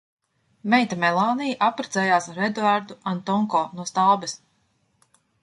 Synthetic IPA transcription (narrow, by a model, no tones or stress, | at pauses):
mɛjt̪amɛlˠaːnijʔapːɾazɛːjaːsaɾɛd̪vaɾd̪uʔant̪ɔŋkɔːnuɔst̪alˠbɛs